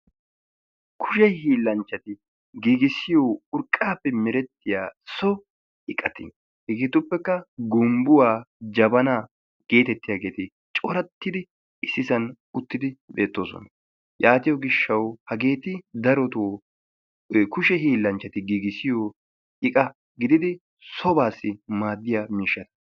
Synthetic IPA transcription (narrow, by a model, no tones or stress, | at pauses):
kʰʊʃɛhiːlːɐnt͡ʃːɐt̪ɪ | ɡiːɡɪsɪjoːʊɾkʼːaːpːɛmɪɾɛt̪ːɪjaːsɔ | ɪkʼɐt̪ɪn | hɪɡeːt̪ʊpːɛkːɐɡʊmbʊwaːd͡ʒɐbɐnaː | ɡ̥e̞ːt̪ɛt̪ːɪjaɡe̞ːt̪ɪ | t͡ʃʼɔɾɐt̪ːɪd̪ɪ | ɪsːɪsɐn | ʊt̪ːɪd̪ɪbe̞ːt̪ːo̞ːsɔ̰nɐ | jʔaːt̪ɪjɔɡɪʃːɐwhɐɡe̞ːt̪ɪd̪ɐɾɔt̪oː | kʊʃɛhiːlːɐnt͡ʃːɐt̪ɪɡiɡɪsɪjoː | ɪkʼɐ | ɡɪd̪ɪd̪ɪ | sɔbaːsːɪmaːd̪ːɪjaːmiːʃːɐt̪ɐ̥